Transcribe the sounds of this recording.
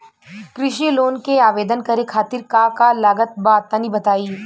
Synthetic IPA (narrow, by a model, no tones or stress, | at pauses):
kɾɪʃiloːnkeaːʋeːd̪ənkɐɾekʰaːt̪ɪɾkaːkalaːɡət̪̚baːt̪ːanĩbɐt̪aːiː